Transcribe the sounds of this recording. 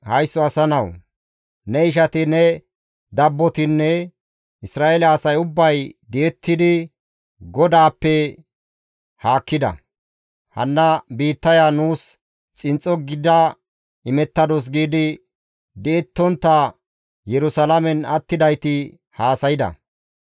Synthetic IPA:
hɐjsːɔɐsɐnɐw | nɛɪʃ̬ɐt̪ɪnːɛ | d̪ɐbːɔt̪ɪnːɛ | ɪsɾaːelɐːsɐjʊbːɐjd̪ɛːt̪ːɪd̪ɪ | ɡɔd̪aːpːɛ | haːkːɪd̪ɐ̰ | hɐ̰nːɐbiːt̪ːɐjaːnuːs | t͡sʼɪnt͡sʼːɔɡɪd̪a | ɪmɛt̪ːɐd̪ɔs̬ɡiːd̪ɪ | d̪ɛɛt̪ːɔnt̪ːɐ | jɛɾʊsɐlɐmɛnɐt̪ːɪd̪ɐjt̪ɪ | haːsɐjɪd̪ɐ̰

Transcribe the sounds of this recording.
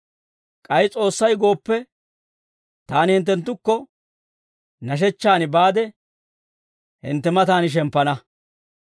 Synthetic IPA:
kʼɐjt͡sʼo̞ːsːɐjɡo̞ːpːɛ | t̪aːnɪhɪnt̪̬ːɛnt̪ːʊkːɔ | nɐʃ̬ɛt͡ʃːaːnɪbaːd̪ɛ | hɪ̰nt̪ːɛmɐt̪aːnɪʃ̬ɛmpːɐnɐ

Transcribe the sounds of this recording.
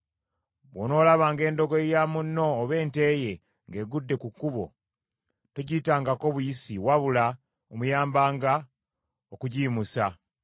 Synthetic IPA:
βwono̞ːlaβaːŋɡe̞ːndo̞ɡojamunːo̞ːβe̞ːnte̞je̞ | ŋɡe̞ːɡudːe̞kukːuβo̞̰ | toɟitaːŋɡako̞βujisiwaβula | omujaːmbaːŋɡa | okuɟiːmusa

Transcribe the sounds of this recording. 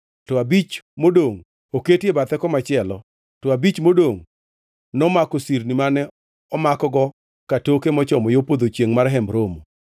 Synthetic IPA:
tɔabit͡ʃmodoŋ | oketjebat̪ɛkɔmat͡ʃɪɛlɔ | tɔabit͡ʃmodoŋ | nɔmakɔsiɾnimanɛ | ɔmakɔɡɔ | katokemɔt͡ʃɔmɔjopod̪ot͡ʃjeŋmarɦɛmbɾomo

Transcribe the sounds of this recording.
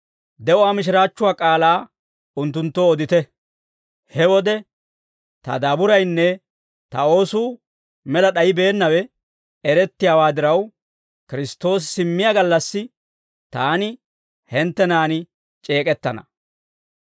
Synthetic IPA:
d̪ɛʔʊwaːmɪʃ̬ɪɾaːt͡ʃːʊwaːkʼaːlaː | ʊnt̪̬ːʊnt̪ːoːd̪ɪt̪ɛ | hɛwɔd̪ɛ | t̪ɐ̰d̪ɐbʊɾɐjnːɛ | t̪ɐo̞ːsuː | mɛlɐɗɐjɪbe̞ːnːɐwɛ | ɛɾɛt̪ːɪjaːwaːd̪ɪɾɐw | kɪɾɪst̪ːo̞ːs̬ɪ̥sɪmːɪjaːɡɐlːɐsːɪ | t̪aːnɪ | hɛnt̪ːɛnaːnɪ | t͡ʃʼe̞ːkʼɛt̪ːɐnɐ̰

